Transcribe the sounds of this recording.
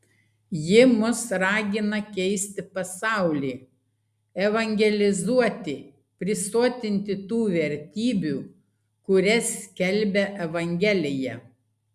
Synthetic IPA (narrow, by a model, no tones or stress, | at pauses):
jɪmʊsɾɑːɡʲɪnɐkʲɛɪsʲt̪ʲɪpɐsɑˑʊlʲiː | ɛʋɐŋʲɡʲɛlʲɪzuɔt̪ʲɪ | pʲɾʲɪsoːt̪ʲɪnʲt̪ʲɪt̪uːʋʲɛɾʲt̪ʲiːbʲuː | kʊɾʲɛskʲɛlʲbʲɛʔɛʋɐŋʲɡʲɛlʲɪjɛ